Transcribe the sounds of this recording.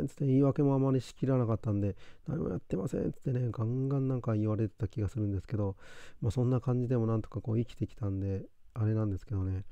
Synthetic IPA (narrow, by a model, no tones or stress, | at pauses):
nt̪t͡sɨ̥t̪ːeiːβake̞mo̞amːaɾʲiɕi̥kʲiɾanakat̪ːãnd̪e̞na̰ɲ̟ḭmo̰ja̰t̪ːe̞ma̰sḛ̃nt͡sɨ̥t̪ːe̞ne̞ɡãŋɡãnːãŋkaiβaɾe̞t̪e̞̥t̪akʲiɡasɨɾɯ̟̃nd̪e̞sɨ̥ke̞d̪o̞masõ̞nːakãɲ̟d͡ʑid̪e̞mo̞nãnt̪o̞kako̞ːikʲi̥t̪e̞kʲi̥t̪ãnd̪e̞ | aɾe̞nãnd̪e̞sɨ̥ke̞d̪o̞ne̞